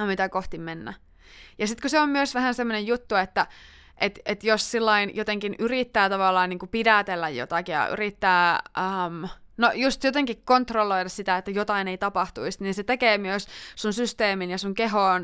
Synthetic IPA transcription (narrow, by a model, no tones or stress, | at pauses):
mit̪ækoht̪immenːæ̰ | jɑsit̪kuseommyøsʋæhænsemːonejut̪ːuet̪ːæ | ʔet̪et̪jossilːɑinjot̪eŋkinyrit̪ːæːt̪ɑʋɑlːɑːniːŋkupidæt̪elːæjjo̰t̪ɑkijɑ̰ʔy̰rit̪ːæːəmnojust̪jot̪eŋkikkont̪rolːoidɑssit̪æet̪ːæjot̪ɑineit̪ɑpɑht̪uist̪niːnset̪ekeːmyøssunsyst̪eːminjɑsuŋkeɦoːn